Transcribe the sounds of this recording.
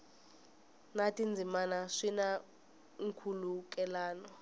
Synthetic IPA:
natʼind͡zʱimanaʂina | ŋ̩kʰuluk̬ʼɛlaːnɔ

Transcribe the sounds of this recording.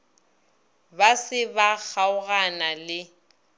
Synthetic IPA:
basɪbak͡xaʊɣanalɪ

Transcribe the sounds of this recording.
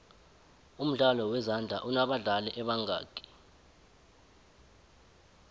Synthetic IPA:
um̩ɮalɔwɛzand͡ɮʱa̰ʔunaɓaɮalɛʔɛɓaŋɡa̰ːkʼi̥

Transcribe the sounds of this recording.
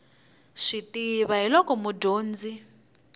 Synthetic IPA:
ʂitiβaɦilɔkɔmudoːnd͡zi

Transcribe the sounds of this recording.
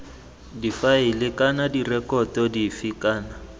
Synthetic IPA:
difaɪlɪkʼanadirɛkʼɔtɔdifikʼaːna

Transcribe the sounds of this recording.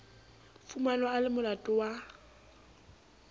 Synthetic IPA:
fumanɔalɪmʊlatʼɔwa

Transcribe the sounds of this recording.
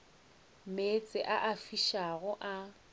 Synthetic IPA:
met͡sʼɪʔaʔafiʃaɣʊʔa

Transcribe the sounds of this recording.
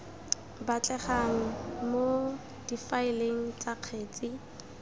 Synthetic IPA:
bat͡ɬʼɛχaŋ̩mo | d̥ifaɪleŋ̩t͡sʼaq͡χʰeːt͡sʼɪ

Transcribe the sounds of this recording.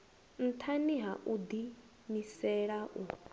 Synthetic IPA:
n̩t̪ʰaniɦaʔud̪i | misɛɺaʔu

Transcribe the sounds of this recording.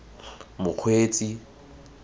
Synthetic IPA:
mʊq͡χʰweːt͡sʼi

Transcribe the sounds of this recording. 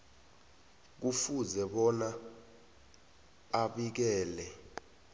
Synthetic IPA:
k̬ufuzɛɓɔna | aɓik̬ɛːlɛ

